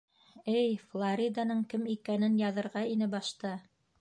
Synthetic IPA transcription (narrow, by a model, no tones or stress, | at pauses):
ɘjflˠaɾʲid̪anɤɴkɘmikænɘnjɑðɤ̆ɾʁɑinɘbɑʃt̪ɤ